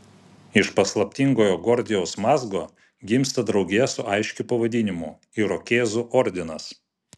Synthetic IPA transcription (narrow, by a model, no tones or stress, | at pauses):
ɪʃpɐslˠɐpʲt̪ʲiŋɡoːjoːɡɔɾʲd̪ʲɪjɛʊsmɑːzɡoː | ɡʲɪmst̪ɐd̪ɾɒʊɡʲejɛsʊʔɐɪʃʲkʲɪpɐʋɐd̪ʲɪnʲɪmʊ | iɾɔkʲeːzʊʔɔɾʲd̪ʲɪnɐs